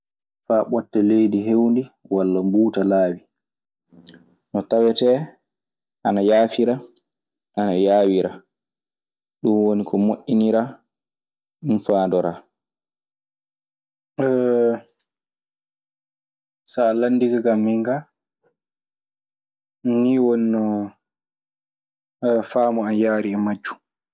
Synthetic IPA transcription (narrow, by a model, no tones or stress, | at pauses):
faːɓɔtːɛlejdiɦewndiwalːambuːtalaːwi | nɔtawɛtɛ | ʔanajaːfiɾa | ʔanajaːwiɾa | ɗunwonikɔmoʔːiniɾa | ɗunfaːndɔɾa | ɛ | salanːdiɡaɡamːiŋɡa | niwoninɔ | faːmɔanjaːɾiɛmad͡ʒːu̥